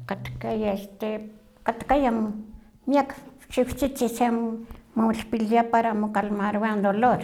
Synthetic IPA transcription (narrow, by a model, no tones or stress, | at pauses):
kat̪kajast̪e | kat̪kaja | miakt͡ʃiwt͡ʃit͡ʃisemaɬpiljapaɾamokalmaɾwand̪oloɾ